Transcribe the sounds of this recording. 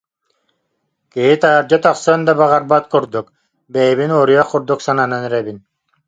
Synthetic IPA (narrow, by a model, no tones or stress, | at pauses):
kiɦit̪aːɾd͡ʑat̪aχsɯnd̪abaʁaɾbat̪̚kuɾd̪uk | bɛjɛβinɔːɾijaχːuɾd̪uksanananyɾɛbin